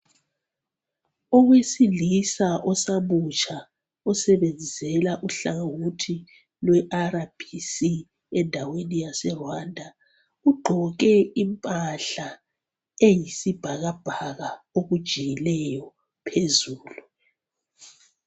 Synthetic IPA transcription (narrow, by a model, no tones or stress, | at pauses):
ɔɣwesilisaʔɔsaβut͡ʃʰʼa | usɛβɛnd͡zisɛlaʔuɬaɣawutʰi | lwɛʔaɾab̥ʱisi | ɛndʱawenijasɛrwandʱa | uɡ͡ǃʱɔk̬ʼɛimpʼaɬa | ejisib̥ʱaɣab̥ʱaɣaoɣud̥ʒ̥ʱijilɛjɔ | pʰezuːlu